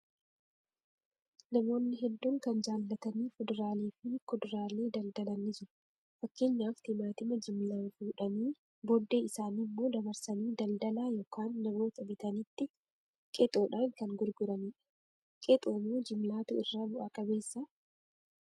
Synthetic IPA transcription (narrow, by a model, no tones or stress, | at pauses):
nɐmo̞ːnːɪɦɛd̪ːuːŋkɐnd͡ʒaːlːɐt̪ɐniːfʊd̪ʊɾaːliːfɪkʊd̪ʊɾaːleːd̪ɐld̪ɐlɐnːɪd͡ʒɪɾɐ | fɐkːɪɲːaːft̪ɪmaːt̪ɪmɐd͡ʒɪmlaːnfuːᶑɐniː | bɔd̪ːeːɪsaːnimːo̞ːd̪ɐbɐɾsɐniːd̪ɐld̪ɐlaːjo̞ːkaːnːɐmo̞ːt̪ɐbɪt̪ɐnɪt̪ːɪ | kʼɛt̪ʼoːᶑaːŋkɐŋɡʊɾɡʊɾɐniːᶑ | kʼɛt̪ʼoːmuːd͡ʒɪmlaːt̪ʊ̰ɪrːaːbʊʔaːkʼɐbe̞ːsːɐ